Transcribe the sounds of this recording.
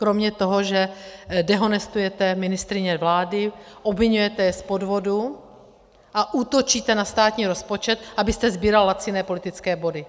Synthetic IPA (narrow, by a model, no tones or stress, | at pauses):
kɾo̞mɲɛt̪oɦoʒɛdɛɦo̞nɛst̪ujɛt̪ɛmɪnɪst̪ɾɪɲɛvlaːdɪʔobvɪɲujɛt̪ɛjɛspo̞dvo̞du | ʔaʔuːt̪ot͡ʃiːt̪ɛnast̪aːt̪ɲiːɾo̞spo̞t͡ʃɛt̪̚ʔabɪst̪ɛzbiːɾallat͡sɪnɛːpo̞lɪt̪ɪt͡skɛːbo̞dɪ